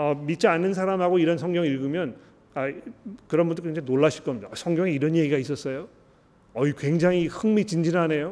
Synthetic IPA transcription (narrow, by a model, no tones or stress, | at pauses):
ʌmit̚t͡ɕ͈ianːɯns̬ʰaɾamɦaɡoiɾʌnsʰʌŋɡjʌŋiɭɡɯmjʌn | akɯɾʌnbundokeŋd͡ʑanoɭːaɕʰiɭk͈ʌmɲidasʰʌŋɡjʌŋeiɾʌnje̞ɡiɡais͈ʌs͈ʌjo | ʌikwe̞ŋd͡ʑaŋihɯŋmit͡ɕind͡ʑinɦane̞jo